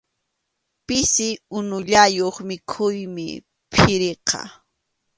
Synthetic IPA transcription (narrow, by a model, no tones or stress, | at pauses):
pɪsɪʊnʊʎajoχmɪkʰʊjmɪ̰ | pʰɪɾeqɑ̰